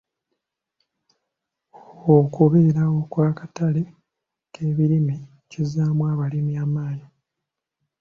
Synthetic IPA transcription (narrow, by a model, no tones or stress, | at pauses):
okuβeɾawo̞kwaːkatale | kʰeːβiɾimi | cizaːmwaβalimiaːmaːɲi